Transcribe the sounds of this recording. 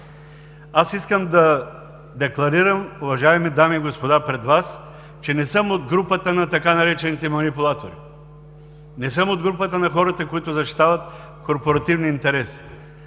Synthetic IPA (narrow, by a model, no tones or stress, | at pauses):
asiskəmd̪ɐ | d̪ɛklˠɐɾiɾəmʊvɐʒaɛmid̪amiːɡospod̪apɾɛd̪vas | t͡ʃɛnɛsɤmod̪̚ɡɾupət̪ənɐt̪ɐkanɐɾɛt͡ʃɛnit̪ɛmɐnipʊlˠat̪oɾi | nɛsəmod̪̚ɡɾupət̪ənɐxɔɾɐt̪əkoit̪ʊzɐʃt̪i̥t̪avɐt̪̚ | koɾpoɾɐt̪ivniːnt̪ɛɾɛsi̥